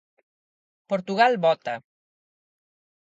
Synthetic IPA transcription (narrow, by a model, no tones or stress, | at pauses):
poɾt̪uɣalbɔt̪a